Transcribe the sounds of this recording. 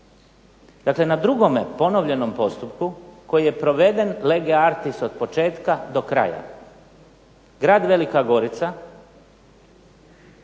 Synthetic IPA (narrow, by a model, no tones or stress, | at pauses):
d̪akle̞nad̪ɾuɡo̞mepo̞no̞ʋʎe̞no̞mpo̞st̪upkuko̞jije̞pɾo̞ʋe̞d̪e̞nle̞ɡeaɾt̪ist̪od̪̚po̞t͡ʃe̞ːt̪kad̪o̞kɾa̰ja̰ | ɡɾaːd̪ʋe̞likaɡo̞ɾit̪sa